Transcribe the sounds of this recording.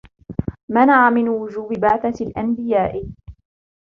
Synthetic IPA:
manaʕamɪnwʊd͡ʒuːbɪbaʕθalʔanbɪjaːʔ

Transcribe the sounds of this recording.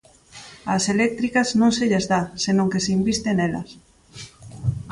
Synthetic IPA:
ɐselɛk̚t̪ɾikɐznõŋseʎezðasenõŋkeseimbist̪enelɐ̰s

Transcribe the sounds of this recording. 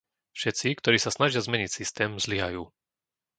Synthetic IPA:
fʃɛt͡sikt̪ɔɾiːsasnaʒɪazmɛɲicsist̪ɛːmzliɦajuː

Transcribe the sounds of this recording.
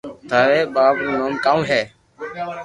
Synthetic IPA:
t̪ʰaːɾeːɓaːpnũːnoːmkaːũːɦɛː

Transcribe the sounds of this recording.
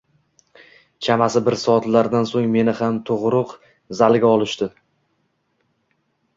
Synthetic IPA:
t͡ʃʰamasɪbɪɾsɒt̪laɾd̪ansoŋme̞nɪhamt̪ʰʊʁɾʊq | zalɡʲaɒlˠɪʃt̪ɪ

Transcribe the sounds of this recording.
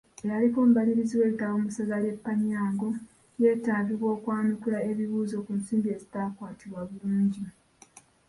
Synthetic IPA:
ejalikoːmbaliɾiziwe̞ːlitaβomusazale̞pːaɲaːŋɡo̞ | je̞ːtaːviβwo̞ːkwaːnikulae̞βiβuːzo̞kunsiːmbie̞zitaːkwaːtiβwaβuluːɲɟi

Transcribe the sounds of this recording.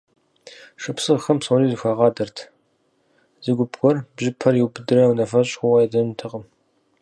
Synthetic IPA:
ʂɐpsɨʁxɐmsɔniːzɨxʷɐʁɑːdɐrtʰ | zɨɡʷʊbɡʷʼɔrbʑɪpʰɐrjiwbɨdɨɾɐwnɐfɐɕʼxʷɔwɐjɛdɐntʰɨqəm

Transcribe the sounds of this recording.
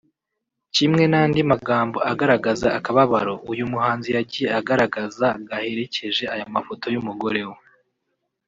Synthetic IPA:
cimŋe̞nandimaɡaːmbo̞aɡaɾaɡazaːkaβaβaɾo̞ʔujumuhaːnzijaɟije̞aɡaɾaɡazaɡahe̞ɾe̞ce̞ʒe̞ajamafo̞to̞jumuɡo̞ɾe̞ho

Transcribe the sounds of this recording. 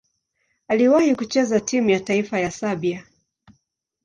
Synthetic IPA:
aliwahikut͡ʃɛzatimujataifajasaɓia

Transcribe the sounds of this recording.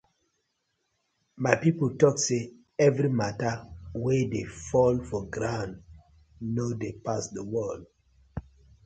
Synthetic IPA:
maɪpipəltɔkse | ɛvɾimatawedefɔlfɔɡɾãnd | nodepasdəwɔl

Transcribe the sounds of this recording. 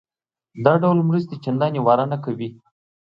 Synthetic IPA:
d̪ɑɖawlmɾəst̪et͡ʃand̪ɑnewɑɾanakawi

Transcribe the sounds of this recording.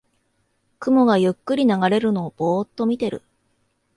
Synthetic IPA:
kɯ̟mo̞ɡajɯ̟kːɯ̟ɾʲinaɡaɾe̞ɾɯ̟no̞ːb̥o̞ːt̪ːo̞mʲit̪e̞ɾɯ̟̰

